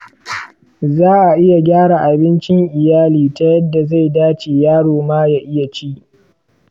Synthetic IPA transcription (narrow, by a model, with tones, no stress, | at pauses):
zaː˦ʔa˨ʔɪ˦ja˨ɡʲaː˦ɽa˨ʔa˨bɪ˦nt͡ʃɪ˦ŋʔɪ˨jaː˦liː˨ta˦jɐ˦dːa˨za˦˨jdaː˦t͡ʃeː˨jaː˦ɽoː˨maː˦ja˦ʔɪ˦ja˨t͡ʃiː˦